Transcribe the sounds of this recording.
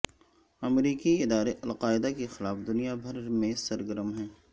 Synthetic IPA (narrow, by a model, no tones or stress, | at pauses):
ɐmɾiːkiɪd̪aːɾeʔɐlqaːɪd̪akexɪlaːfd̪ʊnijabʱɐɾmẽsɐɾɡəɾəmɦɛ̃ː